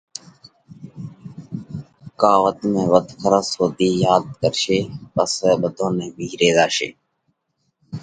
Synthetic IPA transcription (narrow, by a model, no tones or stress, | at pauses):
kaːʋət̪mẽːʋət̪kʰəɾəsɦoːt̪iːjaːd̪̚kəɾʃeːpəsɓəd̪ʱõːnẽːbʱiːɾeːzaːʃḛː